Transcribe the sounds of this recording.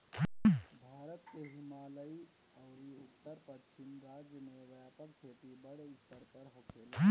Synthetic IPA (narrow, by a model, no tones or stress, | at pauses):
bʱaːɾət̪keɦimaːləi | əʊɾiut̪ːəɾpət͡ʃimɾaːd͡ʒjəmeʋjapəkkʰeʈ̪ibəɽeut̪ːəɾpəɾɦokʰel